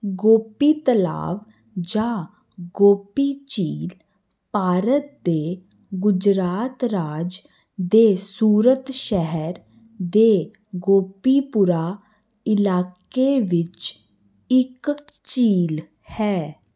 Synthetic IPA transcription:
ɡoːpiːt̪əla̰ːʋ | d͡ʒãː | ɡoːpiːt͡ʃiːl | paːɾət̪̚d̪eː | ɡʊd͡ʒɾaːt̪ɾaːd͡ʒ | d̪eːsuːɾət̪ʃɛɦɛɾ | d̪eː | ɡoːpiːpʊɾaː | ɪlaːk | eːʋɪt͡ʃ | ɪkt͡ʃiːl | hɛː

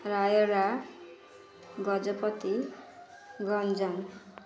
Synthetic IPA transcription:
rajʌɾa | ɡʌd͡zʌpʌt̪i | ɡʱʌnd͡zʌn

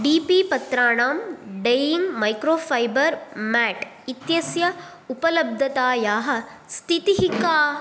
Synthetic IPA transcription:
ɖiːpiːpɐt̪ɾaːɳaːmɖejiŋɡmɐjkɾoːfʰɐjbɐɾmaːʈ | it̪jɐsjɐ | upɐlɐb̚d̪ʱɐt̪aːjaːɦɐ̆ | st̪ʰit̪iɦikaː

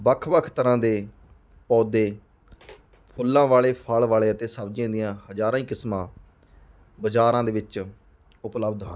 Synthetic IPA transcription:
bəkʰʋəkʰt̪əɾãːd̪eː | pɔːd̪eː | pʰʊlːãːʋaːɭeːpʰaːlʋaːɭeːət̪eːsəbd͡ʒãːd̪ijãːhəd͡ʒaːɾãːĩːkɪsmãː | bəd͡ʒaːɾãːd̪eːʋɪt͡ʃ | ʊpləbd̪ɦə̰̃n

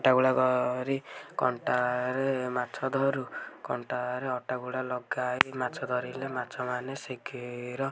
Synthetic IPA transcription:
ɔʈaɡuɭaɡɔɾikɔɳʈaɾemat͡ʃʰɔd̪ʱɔɾukɔɳʈaɾeɔʈaɡuɭalɔɡajmat͡ʃʰɔd̪ʱɔɾilemat͡ʃʰɔmanesekʰiɾɔ

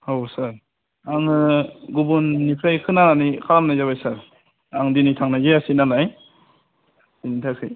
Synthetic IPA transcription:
hawsaɾ | aŋɯɡubunːipʰɾajkʰɯnananikʰaɾamnajzaβajsaɾ | aŋdinitʰaŋnajzeasinalaj | sinitʰakʰɯj

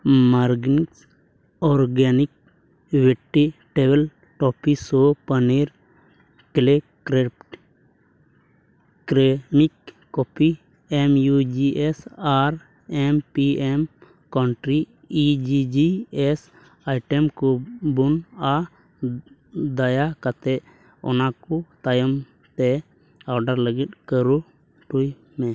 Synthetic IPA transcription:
maɾɡniks | ɔɾɡenik̚ | ʋeʈːiʈebel | ʈɔpisopəneɾ | kle | kɾepʈ | kɾemikː | opi | emjud͡ʒiʔesaɾ | ɛmpiɛm | kaɳʈɾiː | d͡ʒid͡ʒiɛs | ajʈɛmkubuna | d̪ajakat̪ɛʔ | ɔ̰nakut̪ajɔm | t̪ɛ | awɖaɾləɡit̪̚kəɾu | ʈuj | mɛ̃

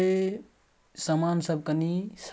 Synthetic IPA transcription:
e | səmansəb̚kənis

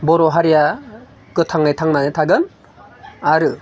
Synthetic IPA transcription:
bɔɾɔɦaɾija | kɯtʰaŋɯjtʰaŋnanɯtʰaɡɯn | aɾɯ

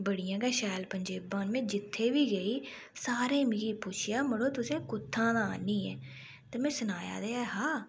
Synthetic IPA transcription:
bəɽɪjãːɡaːʃɛːlpəɲd͡ʒeːbãːnmẽːd͡ʒɪt̪ʰːeːʋiːɡəiː | saːɾẽːmɪːɾiːpʊt͡ʃʰɪjaːməɽoːt̪ʊsẽːkʊt̪ʰːãːd̪ãːaːniːɛː | t̪eːmɛ̃ːsʊnaːja̰ːd̪eːaːɦaː

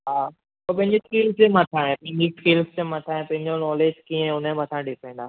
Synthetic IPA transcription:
ɦaː | kop̬ɐ̃ɦɪ̃ɲd͡ʑeskiːlsd͡ʑemɐt̪ʰaːɦẽpɐ̃ɦɪ̃ɲd͡ʑiskiːlsd͡ʑemɐt̪ʰaːẽpɐ̃ɦɪ̃ɲd͡ʑonɔːleːd͡ʑkiẽʊnẽmɐt̪ʰãɗɪpẽːnd̪aː

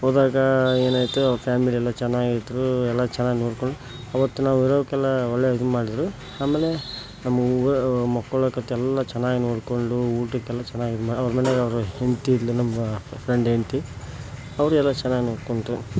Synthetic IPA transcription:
ɦoːd̪aːɡɐeːnaːjt̪upʰaːmiliɛlːat͡ʃɛnːaːɡid̪ɐɾuɛlːat͡ʃɛnːaːɡinoːɽkoɳɖu | ɐʋɐt̪ːunaːʋuiɾoːkɛlːɐɔɭːeid̪umaːɽid̪ɐɾu | aːmeːle̞ | nɐmːɐmɔkːɐɭɐkɐt̪ːɛɛlːɐt͡ʃɛnːaːɡinoːɽkoɳɖuuːʈukːɛlːɐt͡ʃɛnːaːɡid̪maːɖɐʋɐɾɐmɐneɡɐʋɐɾuhent̪illinɐmːɐpʰɾeɳɖɦent̪i | ɐʋɐɾuɛlːat͡ʃɛnːaːɡinoːɽkoɳʈu

